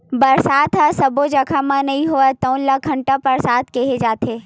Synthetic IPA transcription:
bɐɾsaːt̪ʰasɐbod͡ʒɐkʰamãnɐɦĩɦoət̪ɐ̃wnləkʰːɐɳʈapɐɾsaːt̪ʰkeɦed͡ʒaːt̪eː

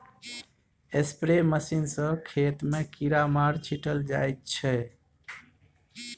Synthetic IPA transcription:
espɾeməsinsə̃kʰet̪mekiɾamaɾt͡ʃʰiʈəld͡ʒa̰jt̪̚t͡ʃʰɛ

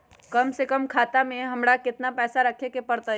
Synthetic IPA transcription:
kɐmsekəmkʰaːt̪amẽɦɐmɾakɪt̪napɛːsaɾɐkʰekepɐɾt̪a

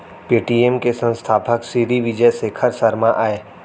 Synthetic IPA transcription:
piːʈiːemkesə̃nst̪ʰaːpəksiːɾiʋɪd͡ʒəsekʰɐɾsɐɾmaʔaːeː

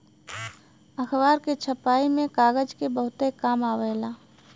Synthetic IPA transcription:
əxʰʋaːɾket͡ʃʰəpaːimẽkaːɡəd͡ʒkebəɦʊt̪ekaːmaːʋəlaː

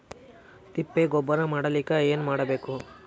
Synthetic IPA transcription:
t̪ipːeɡɔbːɐɾɐmaːɽɐlikːaeːnmaːɽɐbeːku

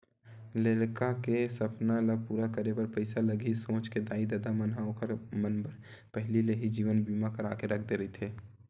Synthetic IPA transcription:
leːlkakesɐpnaləɡ̚puːɾakəɾepɐɾpəɪsalɐɡisõːt͡ʃked̪aːid̪əd̪amənɦaõkəɾmənbəɾ | pɛɦlileɦid͡ʒiːʋənbiːmakɐɾaːkeɾɐkʰd̪eɾɐit̪ʰeː

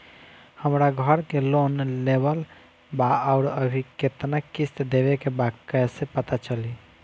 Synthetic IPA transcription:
həmɾaɡʱəɾkelonlebəl | baaʊɾəbʱiket̪nakist̪d̪ebekebakɛsepət̪at͡ʃəli

